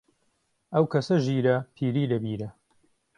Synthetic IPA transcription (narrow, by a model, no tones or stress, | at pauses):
ɐwkʰɐsɐʒiːɾɐpʰiːɾiːlɐbiːɾɐ